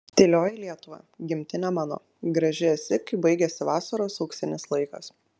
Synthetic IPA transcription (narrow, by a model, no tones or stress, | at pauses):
t̪ʲeːlʲoːjɪlʲiɛt̪ʊʋɑ̰ːɡʲɪmʲt̪ʲɪnʲæmɑːno̰ː | ɡɾɐʒʲɪɛsʲɪkɪbɐɪɡʲɛsʲɪʋɑːsɐɾoːsɐʊksʲɪnʲɪslˠɐɪkɐ̰s